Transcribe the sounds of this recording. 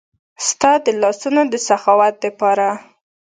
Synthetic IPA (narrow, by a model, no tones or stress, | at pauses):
st̪ɑd̪əlɑsunod̪əsaxɑwat̪̚d̪əpɑɾa